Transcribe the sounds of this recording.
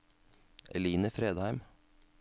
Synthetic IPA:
ʔɛ̰liːnəfɾeːd̪hæɪm

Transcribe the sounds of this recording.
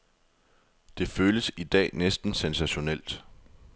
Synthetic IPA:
d̥e̝føːləsid̥ɛ̰ːnesd̥n̩sensæɕo̝nel̰d̥

